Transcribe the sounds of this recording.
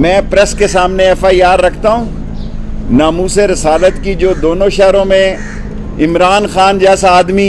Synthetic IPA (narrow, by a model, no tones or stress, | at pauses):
mɛ̃ːpɾɛskesaːmneɛfaːiaːɾːɐkʰt̪aɦũː | naːmuːseɾɪsaːlət̪kid͡ʒoːd̪oːnõʃɛɦɾõmẽ | ɪmɾaːnxaːnd͡ʒɛːsaaːd̪mi